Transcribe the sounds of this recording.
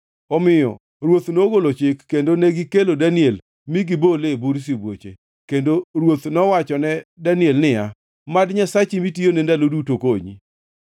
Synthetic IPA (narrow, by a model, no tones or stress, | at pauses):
ɔmɪjɔ̰ | ɾwot̪noɡolot͡ʃɪkːendonɛɡɪkelodaniel | miɡɪbolebuɾs̬ibwo̰t͡ʃḛ | kendoɾwot̪nɔwat͡ʃɔnɛdaniɛlnɪa | madɲasat͡ʃimitijonɛndalodutokoɲḭ